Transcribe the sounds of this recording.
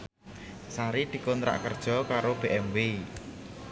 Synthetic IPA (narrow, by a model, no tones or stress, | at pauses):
saɾid̪̥i̤kɔnt̪ɾa̰ʔkərd̥ʒ̥ɔ̤kaɾob̥e̤ʔɛmwe